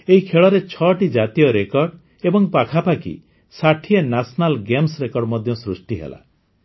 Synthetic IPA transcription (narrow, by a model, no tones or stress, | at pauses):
eɦikʰeɭɔɾet͡ʃʰɔʈid͡ʒat̪ijɔɾekɔɾɖ | ebɔŋpakʰapakḭ | saʈʰienasɔnalɡemsɾekɔɾɖmɔd̪ʱjɔsɾusʈiɦḛla̰